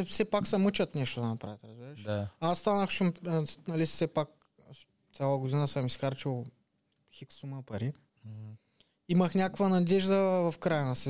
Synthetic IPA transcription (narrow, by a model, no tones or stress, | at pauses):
fsɛpaksɐmɤt͡ʃɐt̪nɛʃt̪od̪ɐnɐpɾavɛt̪ɾɐzbiɾɛʃaasːt̪anɐxt͡ʃumnɐlisɛpak̚ | t̪sʲjalˠɐɡʊd̪inəsɤmisxaɾt͡ʃilˠ | xiksuməpɐɾi | imɐxnʲakovɐnɐd̪ɛʒd̪ɐvɐfkɾajənɐsɛ